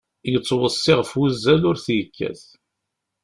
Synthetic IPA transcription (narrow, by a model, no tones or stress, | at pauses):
jət͡sːwəsˤːɪʁfwuzːælʊɾθjəkːæ̰θ